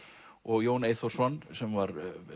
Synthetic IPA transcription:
ɔɣjoːwneːjθo̥sɔnsɛmvaɾ

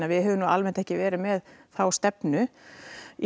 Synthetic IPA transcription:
navɪɦɛːvʏnualmɛnt̪ɛhcɪvɛːɾɪmɛðθawst̪ɛpnʏ

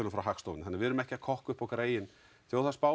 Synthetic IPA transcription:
lnfɾawɦaxst̪owvɪnθhanɪɾvɪðɾʏmɛhcɪakʰɔhkʏhpawkɾeːjɪn | θjowθaspa

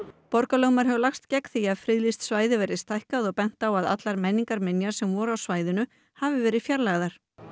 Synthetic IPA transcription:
pɔɾkalœːwmaɾ̥ɦɛvʏlaxst̪cɛkθiaðfɾɪðlist̪svaːjðɪvɛɾɪðst̪ajhkaðɔɣpɛn̥t̪awaða̰t̪laɾmɛnːiŋkaɾmɪnjaɾ̥sɛmvɔɾawsvaːjðʏnʏ | havɪvɛːɾɪðfjaɾlaɣðaɾ̥

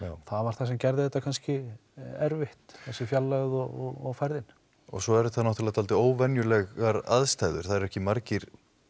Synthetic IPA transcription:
jaːwθaðvaɾ̥θasɛmcɛɾðɪθɛt̪akʰanscɪɛɾvɪht̪θɛsːɪfjalːaɣðɔɔɣɔɣfajɾðɪn | ɔ̰ɣsɔɛɾt̪θanɔwht̪lat̪ʰalt̪ɪoːwvɛnjʏlɛɣaɾaðst̪ajðʏ̰ɾ̥θaðɛɾɛhcɪmaɾcɪɾ̥

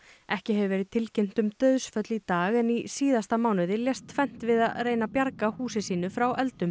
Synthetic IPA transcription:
ɛhcɪɦɛvɪvɛːɾɪðt̪ʰɪlcem̥t̪ʏmt̪œðsfœt̪lit̪aːɣɛnisiːðast̪amaːwnʏðɪljɛst̪fɛn̥t̪vɪðareːjnapjaɾkahuːsɪsiːn̪ʏfɾawʔɛlt̪ʏm

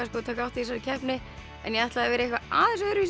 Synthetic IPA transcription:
askɔːt̪ʰaːkawht̪iis̬alɪcʰɛhpnɪ | ɛ̰njɛaht̪laðavɛːɾɪehkvaʔa̰ːðɛnsɛɾɪvis

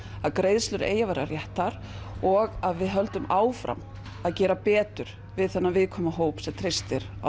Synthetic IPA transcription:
aðkɾejðslʏɾḛːjavaɾarjɛht̪aɾ̥ | ɔɣaðvɪðɦœlt̪ʏmaːwfɾa̰m | aðcɛːɾapɛːt̪ʏɾ̥ | vɪðθɛnːavɪðkʰɔːmaɦoːwpsɛmt̪ʰɾest̪ɪɾ | a

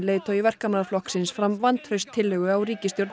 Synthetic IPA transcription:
leːjt̪ʰɔivɛr̥kamanaflɔhksɪnsfɾamvant̪fœst̪ʰːɪlœɣʏawɾiːcɪst̪jowɾt̪

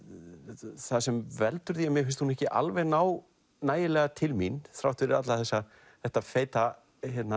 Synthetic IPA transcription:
θaðsɛmvɛlt̪ʏɾ̥θiamjɪfɪnst̪hunɛhcɪʔa̰lvɛɣnaːw | naːjɪlɛːɣat̪ʰɪlminθɾa̰wht̪fɪɾɪɾat̪laθɛsːa | θɛht̪afeːjt̪a | çɛt̪na

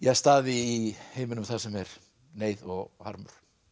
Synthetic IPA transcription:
jɛst̪aːðɪiheːjmʏnʏmθasɛmɛɾ̥ | neːjðɔɣha̰ɾmʏ̰ɾ̥

